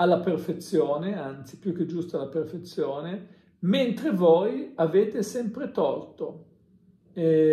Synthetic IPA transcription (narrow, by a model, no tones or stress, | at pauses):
alːaperfet̪sːjoːneant̪si̥pjuk̟ed͡ʒust̪oalːaperfet̪sːjoːne | ment̪ɾevojaveːt̪esɛmpɾet̪ɔ̰lt̪o | ɛ